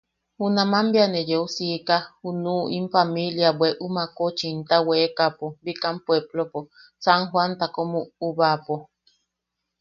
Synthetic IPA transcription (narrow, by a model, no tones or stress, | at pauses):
hunamambianed͡ʒeusikahunuʔimfamiljabweʔumakot͡ʃint̪awekapobikampweblopo | saŋɦwant̪akomuuβapo